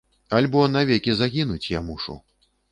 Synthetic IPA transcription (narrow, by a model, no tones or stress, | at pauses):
alʲbɔnavʲɛkʲizaɣʲinut͡sʲjamuʂṵ